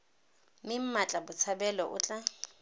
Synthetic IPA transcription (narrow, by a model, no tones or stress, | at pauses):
mɪm̩mat͡ɬʼabʊt͡sʰabɛlɔʔʊ̰t͡ɬʼa